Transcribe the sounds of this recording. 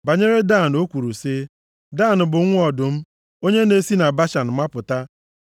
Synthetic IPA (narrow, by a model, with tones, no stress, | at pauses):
ba˨ɲe˦ɾe˦da˦˨n˨o˦kʷu˨ɾu˨si˦ | da˦˨nʊ˨bʊ˨˦ŋʷ˦ɔ˨dʊ˨m̩˦ | o˦ɲe˦ne˦si˦na˨ba˦ʃa˨n̩˨ma˦pʊ˨ta˦